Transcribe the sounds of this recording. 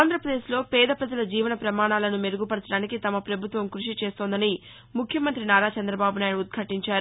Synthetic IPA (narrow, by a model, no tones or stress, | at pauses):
aːnd̪ɾɐpɾɐd̪e̞ːʃlo̞ːpɛːd̪ɐpɾɐd͡ʒɐlɐd͡ʒiːʋɐnɐpɾɐmaːɳaːlɐnumeɾuɡupɐɽɐt͡ʃɐɽaːnikit̪ɐmɐpɾɐbʱut̪ʋɐmkɾuʂit͡ʃeːst̪o̞ːnd̪ɐni | mukʰjɐmɐnt̪ɾinaːɾaːt͡ʃɐnd̪ɾɐbaːbunaːjɽuud̪̚ɡʰʱɐʈiɲt͡ʃaːɾu